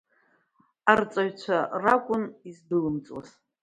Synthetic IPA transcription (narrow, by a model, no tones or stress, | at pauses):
art͡sʼaɥt͡ɕʷʰarakʷʼʊnizdɨlɨmt͡sʼwa̰z